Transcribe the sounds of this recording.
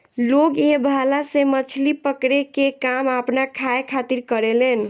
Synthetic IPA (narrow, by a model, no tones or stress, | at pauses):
loɡebʱalasemət͡ʃʰlipəkɾekekamapnakʰaekʰat̪iɾkəɾelen